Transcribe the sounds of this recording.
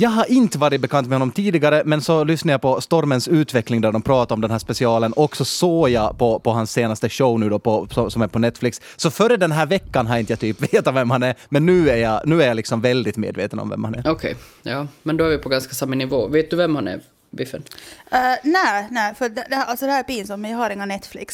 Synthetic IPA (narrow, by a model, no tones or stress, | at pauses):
jɑːɡɦaɾɪnt̪əvɑːɾɪt̪̚bɛkʰant̪mɛhɔnːɔmt̪ʰiːd̪ɪɡaɾəmɛnsɔlʏsnaɾjapʰɔst̪ɔɾmənsʉ̟ːt̪vɛklɪŋd̪æɖɔmpʰɾɑːt̪aɾɔmd̪ɛnɦæːʂpɛsɪɑːlənʔɔksɔsoːjɑpʰɔpʰɔɦansːeːnast̪əɕəʊnʉ̟ːd̪ɔpʰɔsɔsɔmæɾpʰɔnɛt̪ːflɪksːɔfœɾəd̪ɛnɦæːɾvɛkːanɦaɾɪnt̪əjat̪ʰyːpveːt̪ɔvɛmhanæɾmɛnːʉ̟ːæɾjɑnʉ̟ːæɾjalɪksɔmvɛld̪ɪt̪mḛːd̪vḛːt̪ənɔ̰mvɛ̰mhanæ̰ɾɔkʰɛ̰j | jɑːmɛnd̪ɔæɾvɪpʰɔɡanskasamːɑnɪvo̰ːveːt̪̚d̪ɵvɛmhanæ̰ɾ | bɪfə̰n | næːnæːfœd̪ɛd̪ɛʔalsɔd̪ɛhæːɾpiːnsamt̪mɛnjahaɾɪŋːanɛt̪ːflɪ̰ks